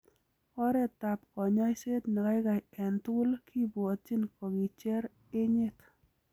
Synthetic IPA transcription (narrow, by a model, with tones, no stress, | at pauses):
ɔ˦ɾɛ˦ta˨pkɔ˨ɲɔ˦jse˦tni˨ka˦jka˨jɛ˨ntu˦lkʰi˦bo˨tt͡ʃi˦nkɔ˨ki˨t͡ʃɛ˦ɾ | e˦ɲe˦t